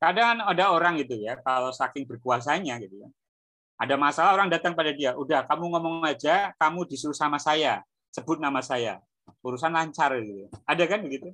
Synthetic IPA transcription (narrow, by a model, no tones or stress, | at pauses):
kadaŋanadaoɾaŋɡit̪̬ujakalosakɪŋbərkuas̬aɲaɡit̪uka | adamasalaoɾaŋdat̪aŋpadadiaʔudahkamuŋɔmɔŋad͡ʒakamudisuɾusamasaja | səbʊt̪̚namasaja̰ | uɾusanlahɲt͡ʃaɾɡit̪uadakanbəɡit̪u